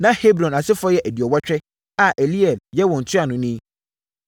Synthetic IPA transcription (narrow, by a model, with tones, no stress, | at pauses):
nã˦he˦bɾɔ̃˨na˨sɪ˦fɔ˦jɛ˦ʔæ˨di˨ɔ˨wa˦t͡ɕᶣɛ˦ | a˨ʔe˨li˦ɛ˨ljɛ˦wɔ̃˨n̩˨tʰɪ˦a˨nʊ̃˨nĩ˦